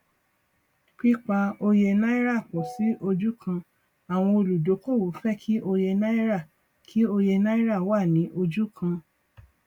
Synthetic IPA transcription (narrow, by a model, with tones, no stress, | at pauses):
k͡pi˦k͡pa˦o˧je˧na˦i˦ɾa˦˨k͡pɔ̃˨si˨˦ʔo˧d͡ʒu˦kʰã˧ | a˨w̃ɔ̃˧o˧lu˨do˨˦ko˦˨wo˨˦fɛ˦kʰi˦ʔo˧je˧na˦i˦ɾa˦˨ | kʰi˨˦o˧je˧na˦i˦ɾa˦˨wa˦˨nĩ˨˦ʔo˧d͡ʒu˦kʰã˧